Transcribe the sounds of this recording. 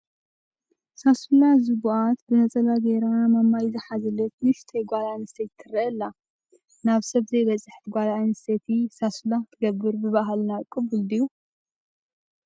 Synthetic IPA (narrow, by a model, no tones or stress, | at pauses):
sasulazɨɡuʔat̪bɨnɐt͡sʼɐlaɡeɾamamːajzɨħazɐlɐt̪̚nɨʃt̪ʰɐjɡʷalanɨset̪ʰːɨriʔɐlːa | naβsɐβzɐjbɐt͡sʼɨħt̪ʰiɡʷalanɨset̪ʰisasulat̪ʰɨɡɐbːɨɾbɨβaɦalnakʼɨbɨld̪ɨjːu